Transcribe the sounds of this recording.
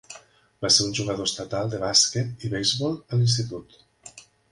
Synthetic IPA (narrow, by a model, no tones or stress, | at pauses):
baseɾunʲʒuɣəðost̪at̪alˠd̪əβasket̪iβejzβɔlˠəlinst̪it̪ut̪